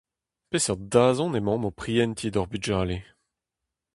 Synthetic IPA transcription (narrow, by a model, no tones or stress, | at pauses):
pesɛʁd̪aːzɔ̃nemɑ̃mopχiɛnt̪ʰid̪ɔʁbyʒaːle